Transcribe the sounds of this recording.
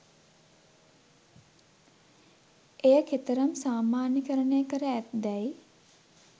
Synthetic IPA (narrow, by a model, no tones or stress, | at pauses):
ejəkʰet̪əɾəmsaːmaːnəkəɾəɳejəkəɾəæt̪d̪ɛj